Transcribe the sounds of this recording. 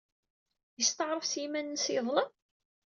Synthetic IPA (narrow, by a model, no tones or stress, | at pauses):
jəst̪əʕɾˤəfsimænnsiðˤləm